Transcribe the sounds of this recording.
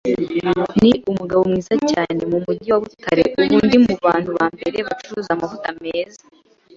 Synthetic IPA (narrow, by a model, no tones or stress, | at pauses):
niumuɡaβo̞mŋiːzacaːne̞mumuɟiwaβutaɾḛʔuβuːndimuβaːnhuβaːmbe̞ɾe̞βat͡ʃuɾuzamavutame̞ːza